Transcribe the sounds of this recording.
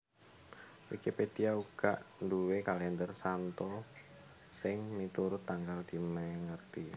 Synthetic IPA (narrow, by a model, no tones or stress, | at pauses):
wikeped̪̥iauɡ̥aʔnduwekalɛnd̪ərsant̪ɔ | sɪŋmit̪uɾʊt̪ːaŋkald̪̥i̤maŋərt̪i